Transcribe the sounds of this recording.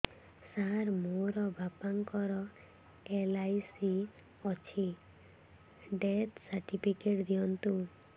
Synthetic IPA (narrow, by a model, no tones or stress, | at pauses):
saɾmoɾɔbʱapaŋkɔɾɔ | elajsi | ɔt͡ʃʰi | ɖet̪saɾʈipʰikeʈd̪ijɔnt̪u